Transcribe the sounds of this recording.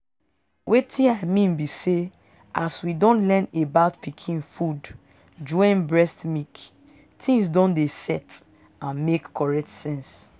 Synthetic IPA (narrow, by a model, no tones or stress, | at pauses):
wʔetʰĩaɪmĩnbise | ʔaswidɔ̃nlɛnebaʊtpʰikʰĩnfud | d͡ʒɔ̃ɪ̃nbɹɛstmik | tʰĩŋsdɔ̃ndesɛt | ãnmekːɔɹɛk̚tsɛ̃ns